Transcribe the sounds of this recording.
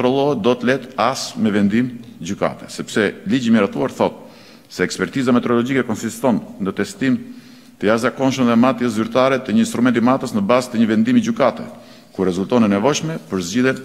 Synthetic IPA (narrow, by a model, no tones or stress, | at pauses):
t̪ɾɔlˠɔɛt̪̚d̪ɔt̪əlɛt̪asmɛvɛnd̪imd͡ʑyka̰t̪ɛ̥sɛpsɛlid͡ʑimiɾat̪uaɾθɔt̪̚ | sɛːkspɛɾt̪izamɛt̪ɛɾɔlɔd͡ʑikɛkɔnsist̪ɔnːət̪ɛst̪im | t̪əjazakɔnʃ̬əmðɛmat̪jəs̬zyɾt̪aɾɛt̪əɲəinst̪ɾumɛnt̪imat̪əsnəbazt̪əɲəvɛnd̪imid͡ʑykat̪ɛ̰ | kuɾrːɛzult̪ɔnənɛvɔjʃmɛpəɾzd͡ʑiðjɛn